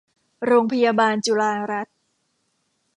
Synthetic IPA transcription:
ɾoː˧ŋpʰa˧jaː˧baː˧nt͡ɕu˧laː˧ɾa˦˥t̪̚

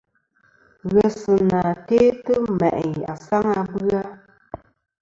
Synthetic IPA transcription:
ɣɛ˨sɨ˨na˨teː˦tɨ˦mɛ̰˨ʔɲa̰˨sa˦ŋa˧bɨ˦a˦

